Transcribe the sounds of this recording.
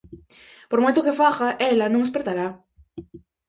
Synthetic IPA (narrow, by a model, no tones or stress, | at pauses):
poɾmojt̪okefaɣaʔelanõŋes̬peɾt̪aɾa